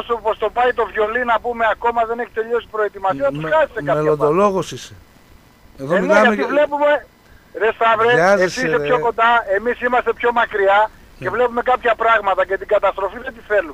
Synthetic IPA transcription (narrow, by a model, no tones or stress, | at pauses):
supost̪o̞pɐit̪o̞vʝo̞linɐpume̞ɐko̞mɐðe̞neçi̥t̪e̞ʎo̞si̥pɾo̞et̪imɐsiɐnɐt̪usɐsi̥st̪ekɐmelond̪oloɣosise | eðomineɐɐmeivlepume̞ | ðest̪ɐvɾezesisseçoko̞nd̪ɐe̞misimɐst̪e̞pço̞mɐkɾiɐ | ce̞vle̞pume̞kɐpçɐpɾɐɣmɐt̪ɐce̞t̪iɡɐt̪ɐst̪ɾo̞fiðet̪iθe̞lume